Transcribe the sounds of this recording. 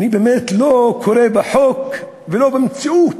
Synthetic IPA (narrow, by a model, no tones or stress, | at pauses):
nibemet̪lokʰoɾebeħok | velobemt͡siʔut̪